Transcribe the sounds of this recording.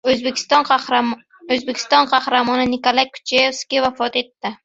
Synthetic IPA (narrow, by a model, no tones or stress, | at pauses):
ɵzbekʲʰɪ̥st̪ɒn | ɵzbekʲɪ̥st̪ɒnqʰɑhɾamɒnɪnɪkolˠajkʰʊ̥t͡ʃʰajefskʲɪvafɒt̪e̞t̪ːɪ